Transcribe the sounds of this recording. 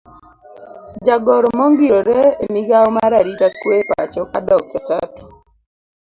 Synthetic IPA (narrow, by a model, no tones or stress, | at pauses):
d͡ʒaɡɔɾɔmɔŋɡiɾɔɾɛemiɡaomaɾaɾitakwepaat͡ʃɔkadɔk̚t͡ʃatat